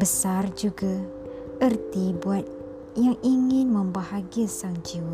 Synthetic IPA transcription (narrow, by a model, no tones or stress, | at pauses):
bəsard͡ʒuɡa | ərt̪ibuat̪̚ | jaŋiŋɪnmə̃mbahaɡiasaŋd͡ʒiw